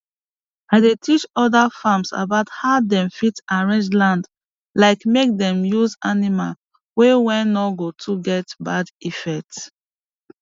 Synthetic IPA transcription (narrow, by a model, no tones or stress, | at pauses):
aɪdetʰit͡ʃɔdafamsa̰baʊthaʊdɛ̃mfitaɹɛ̃nd͡ʒlãnd | laɪkmek̚dɛ̃mjuzanima̰l | wɛwɛ̃nɔɡotʰuɡɛtbadifɛk̚t